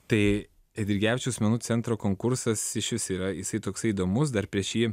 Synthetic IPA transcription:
t̪ɐɪ | ɛd̪ʲɪɾʲɡʲæːʋʲɪt͡ʃʲuːsʲmʲɛnuːt͡s̪ʲɛnt̪ɾoːkoːŋkʊɾsɐsɪʃʲʋʲɪsiːɾɐjɪsɐɪt̪oːksɐɪiːd̪oːmʊs̬d̪ɐɾpʲɾʲiɛʃjiː

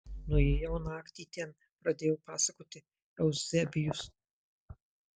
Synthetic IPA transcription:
nʊjeːjɛʊnɑːkt̪ʲiːt̪ʲɛn | pɾɐd̪ʲeːjɛʊpɑːsɐkoːt̪ʲɪ | ɛʊzʲɛbʲɪjʊs

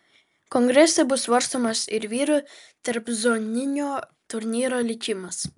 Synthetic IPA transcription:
kɔŋɡɾʲɛsʲɛbʊsʋɐɾst̪oːmɐsɪɾʋʲiːɾʊt̪ɐɾpzonʲɪnʲoː | t̪ʊɾʲnʲiːɾoːlʲɪkʲɪmɐs

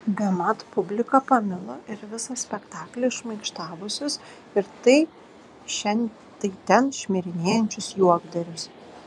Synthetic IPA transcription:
bʲɛmɐt̪pʊbʲlʲɪkɐpɐmʲɪlˠoʔɪɾʋʲɪsɐsʲpʲɛkt̪ɑːklʲeʃmɐɪkʃt̪ɑːʋʊsʲʊs | ɪɾt̪ɐɪ | ʃʲɛnʲ | t̪ɐɪt̪ʲɛnʃʲmʲɪɾʲɪnʲeːjɛnʲt͡ʃʲʊsjuɔɡd̪ɐɾʲʊs

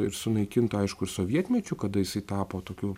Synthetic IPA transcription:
ɪɾsʊnɐɪkʲɪnt̪ɐɪʃkʊɪɾsoːʋʲiɛt̪ʲmʲɛt͡ʃʲʊkɐd̪ɐjɪsɐɪt̪ɑːpoːt̪oːkʲuː

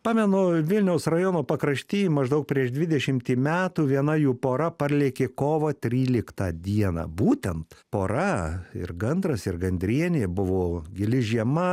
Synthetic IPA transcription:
pɑːmʲɛnʊʋʲɪlʲnʲɛʊsrɐjoːnoːpɐkɾɐʃʲt̪ʲiːmɐʒd̪ɐʊk̚pʲɾʲiɛʃd̪ʲʋʲɪd̪ʲɛʃʲɪmʲt̪ʲiːmʲæːt̪uːʋʲiɛnɐjuːpoːɾɐpɐrʲlʲiːkʲeːkoːʋɐt̪ʲɾʲiːlʲɪkt̪ɐːd̪ʲiɛnɐ̰ːbuːt̪ʲɛnt̪poːɾɐɪ̰rɡɐnd̪ɾɐsɪrɡɐnʲd̪ʲɾʲiɛnʲeːbʊʋoːɡʲɪlʲɪʒʲiɛmɐ

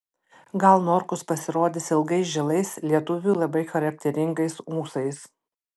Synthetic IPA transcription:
ɡɐlˠnɔɾkʊspɐsʲɪɾoːd̪ʲɪsɪlˠɡɐɪsʒʲɪlˠɐɪslʲiɛt̪ʊʋʲuːlˠɐbɐɪxɐɾɐk̚t̪ʲɛɾʲɪŋɡɐɪsuːsɐɪs

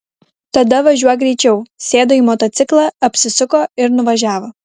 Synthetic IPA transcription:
t̪ɐd̪ɐʋɐʒʲuɔjɛɡɾʲɛɪt͡ʃʲɛʊsʲeːd̪oːiːmoːt̪oːt̪sʲɪklˠɑɐpʲsʲɪsʊkoːɪɾnʊʋɐʒʲæːʋoː

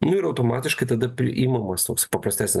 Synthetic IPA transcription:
nʊɪɾɐʊt̪oːmɑːt̪ʲɪʃkɐɪt̪ɐd̪ɐpʲɾʲɪʔiːmɐmɐst̪oːksʲɐɪpɐpɾɐsʲt̪ʲæːsʲnʲɪ

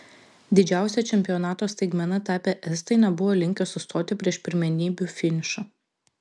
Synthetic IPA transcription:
d̪ʲɪd͡ʒʲæˑʊsʲɛt͡ʃʲɛmʲpʲɪjɔnɑːt̪oːsʲt̪ɐɪɡmʲɛnɐt̪æːpʲɛʔɛst̪ɐɪnʲɛbʊʋoːlʲɪŋʲkʲɛsʊst̪oːt̪ʲɪpʲɾʲiɛʃpʲɪɾʲmʲɛnʲiːbʲʊfʲɪnʲʃɐ

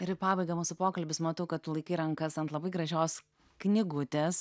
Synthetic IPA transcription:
ɪɾpɑːbɐɪɡɐmuːsʊpoːkɐlʲbʲɪsmɐt̪ɐʊkɐt̪t̪ːʊlˠɐɪkɐɪɾɐŋkɐsɐnt̪lˠɐbɐɪɡɾɐʒʲoːs | knʲɪɡʊt̪ʲeːs

